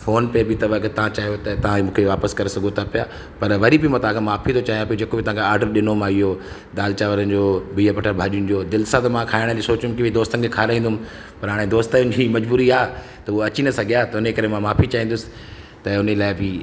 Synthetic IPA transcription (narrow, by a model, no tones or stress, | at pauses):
foːnpebɪt̪ɐʋəkt̪ɐʋ̤ãt͡ɕaːjot̪ɐt̪ɐʋãmũːkʰeʋaːpəskɐɾesɐɡʱot̪ʰɐpija | pɐɾʋɐɾibɪmãt̪ɐʋãkʰemaːfit̪ʰot͡ɕaːɦj̪̃ap̬ijod͡ʑeːkobɪt̪ɐ̃ʋãkʰeaːɾɖəɾɗɪnomãːijoː | d̪aːlt͡ɕaːʋəɾənɪd͡ʑoːbiːɦəpɐʈʰəɾbʱaːɗiʊn̆d͡ʑoːd̪ɪlsat̪ɐmãkʰaːɪɽ̃əlisoːt͡ɕʊmkiʋid̪oːst̪ənkʰekʰaːɾaːĩːnd̪ʊm | pɐɾɦaːɽ̃ẽd̪oːst̪əʊ̃nd͡ʑimɐd͡ʑbuːɾiaː | t̪ɐuoɐt͡ɕinɐsɐɡʱijat̪ɐʊnekɐɾemãmaːfit͡ɕaːɦĩːnd̪ʊsɪ̥̆ | t̪ɐʊnəlaːɪbɪ